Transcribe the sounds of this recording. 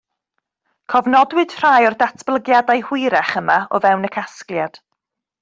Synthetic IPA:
kʰɔvnɔdwɨd̥r̥ajɔrdatʰb̥lˠəɡjadajhwɪɾɛχəmaɔvɛwnəkʰasklˠjad̥

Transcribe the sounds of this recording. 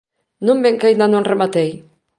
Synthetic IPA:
nũmbeŋkajnd̪anõŋremat̪ej

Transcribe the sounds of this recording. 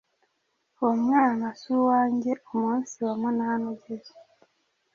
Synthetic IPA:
omŋaːnasuwaːɲɟeʔomunsiwamwenahanoɟezo

